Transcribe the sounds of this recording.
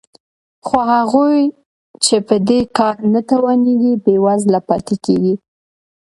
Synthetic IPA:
xoɦaɣuj | t͡ʃepəd̪ekɑɾnat̪awaneɡibewazlapɑt̪ekeɡi

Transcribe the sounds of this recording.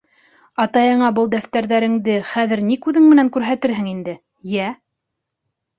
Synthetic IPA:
ɑt̪ɑjɤ̆ɴɑbɤlˠd̪æft̪æɾðæɾɘ̆ŋd̪ɘχæðɘ̆ɾnikʉðɘŋmɘ̆næŋkʉɾɦæt̪ɘɾɦɘŋind̪ɘ | jæ

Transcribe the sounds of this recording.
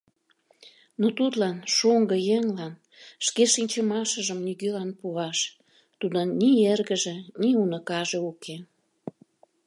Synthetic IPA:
not̪ut̪lɑnʃoŋɡəjeŋlɑn | ʃkeʃinʲt͡ɕəmɑʃəʒəmniɣølɑnpuɑʃ | t̪ud̪ənnʲierɣə̆ʒeniunəkɑʒĕuke

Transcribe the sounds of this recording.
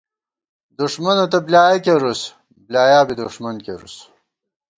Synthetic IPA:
d̪uʂmɐnot̪ɐblʲaːjɐkʲeɾus | blaːjaːbid̪uʂmɐnkḛɾṵs

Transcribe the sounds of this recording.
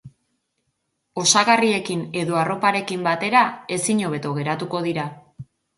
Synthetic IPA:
o̞saɣarie̞kine̞ðo̞aro̞paɾe̞kimbat̪e̞ɾae̞siɲo̞β̞e̞t̪o̞ɣ̞e̞ɾat̪uko̞ð̞iɾa

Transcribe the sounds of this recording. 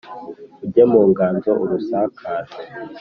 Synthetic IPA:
uɟemuːŋɡaːnzoʔuɾusaːkʰaːɾe

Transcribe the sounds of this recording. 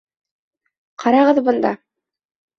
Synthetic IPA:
qʰɑɾɑʁɤðbɤ̆nd̪ɑ̰

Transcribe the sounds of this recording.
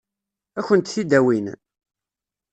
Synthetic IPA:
æçənt̪θid̪æwin

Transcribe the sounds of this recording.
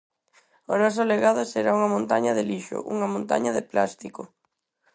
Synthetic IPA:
oɾɔs̬oleɣaðoseɾauŋɐmõnt̪aɲɐðɪliʃo̰ʔuŋɐmõnt̪a̰ɲɐðɪpla̰st̪iko

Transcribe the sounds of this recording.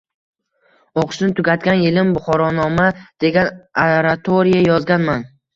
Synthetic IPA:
oqʃɪnt̪ʰʊɡʲat̪̚kʲanjɪlɪmbʊχɒɾɒnɒmad̪̥e̞ɡʲanaɾat̪ʰoɾijajɒzɡʲanman

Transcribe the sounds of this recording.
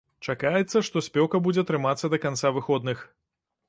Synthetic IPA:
t͡ʂakajɛt̪sːɐʂt̪ɔsʲpʲɔwkɐbud͡zʲɛt̪ɾɨmat̪sːɐd̪ɐkant̪savɨxɔd̪nɨx

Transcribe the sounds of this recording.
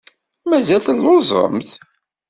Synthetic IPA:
mæzælθəlːʊzˤə̰mθ

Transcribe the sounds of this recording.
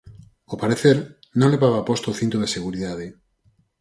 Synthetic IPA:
opaɾeθeɾ | nõŋleβaβapost̪ooθĩnt̪oðeseɣuɾiðað̞e

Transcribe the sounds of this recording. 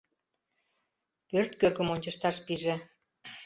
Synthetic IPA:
pørt̪kørkə̆monʲt͡ɕəʃt̪ɑʃpiʒe

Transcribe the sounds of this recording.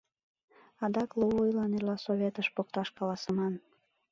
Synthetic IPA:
ɑd̪ɑkluvujlɑnerlɑsoβʲet̪əʃpok̚t̪ɑʃkɑlɑsəmɑn

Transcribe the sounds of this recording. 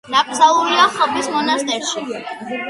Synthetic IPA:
d̪̥apʰʼzalˠuliaχɔbismɔnast̪ʼɛɾʃi

